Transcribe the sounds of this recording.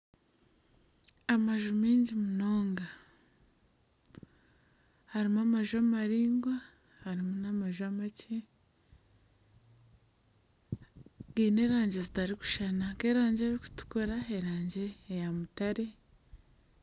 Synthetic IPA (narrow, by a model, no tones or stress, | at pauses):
amaʒumeːɲɟimuno̞ːŋɡa | haɾimamaʒuamaɾiːŋɡwa | haɾimunamaʒuamacʰe | ɡiːne̞ːɾaːɲɟe̞zitaɾiku̥ʃanake̞ːɾaːɲɟeaɾiku̥tu̥koɾaeɾaːɲɟe̞ːjamutaɾe̞